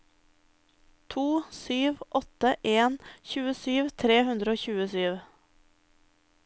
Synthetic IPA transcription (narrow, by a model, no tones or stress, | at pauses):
t̪ʰuːsyːʋʔɔt̪əʔeːnçʉːəsyːʋt̪ʰɾeːhʉnd̪ɾəoːçʉːəsyːʋ